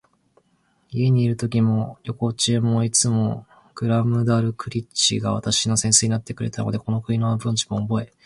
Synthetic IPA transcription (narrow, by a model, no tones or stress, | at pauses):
ie̞ɲ̟iːɾɯ̟t̪o̞kʲimo̞jʲo̞ko̞t͡ɕiemo̞it͡sɨmo̞ | ɡ̥ɯ̟ɾamɯ̟d̪aɾɯ̟kɯ̟ɾʲit͡ɕḭɡaβa̰t̪aɕino̞sẽ̞ɰse̞ɲ̟inat̪ːe̞kɯ̟ɾe̞t̪ano̞d̪e̞ko̞no̞kɯ̟ɲinoβabɯ̟̃ɲ̟t͡ɕi̥moːbo̞e̞